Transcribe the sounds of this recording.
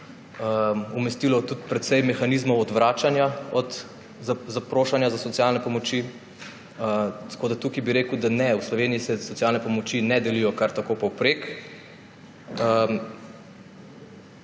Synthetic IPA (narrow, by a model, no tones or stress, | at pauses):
əmumɛst̪ilɔt̪ut̪pɾɛt̪sɛjmɛxanizmɔwɔd̪ʋɾaːt͡ʃanjaɔd̪ | zazapɾoːʃanjazasɔt̪sjalnɛpɔmɔt͡ʃi | ət̪koːd̪at̪ukibiɾeːkʊd̪anɛuwslɔʋeːniisɛsɔt̪sjalnɛpɔmɔt͡ʃinɛd̪ɛlijɔkaɾt̪akopɔwpɾek | əm